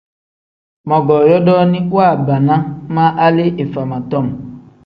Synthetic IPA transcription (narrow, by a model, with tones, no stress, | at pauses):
mɔ̃˨ɡɔ˨jɔ˦dɔ˦nĩ˦wa˦˨ba˨nã˦mã˦ʔa˦le˦ʔe˨fa˨mã˨t̪ɔ˦˨m˨